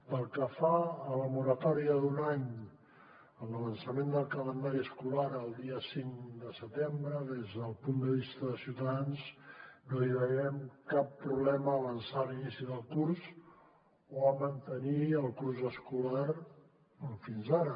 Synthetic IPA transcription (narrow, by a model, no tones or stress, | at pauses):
pəlˠkəfaələmuɾət̪ɔɾiəðunaɲ | əmləβənsəmend̪əlˠkələnd̪aɾiəskulaɾəlˠd̪iəsiŋd̪əsət̪embɾəðezðəlˠpund̪əβist̪əðəsiuwt̪əðanznoiβəɣɛmkapːɾuβlɛməːβənsalinisiðəlˠkurz | oəmənt̪əniəlˠkurzəskulaɾ | finzaɾə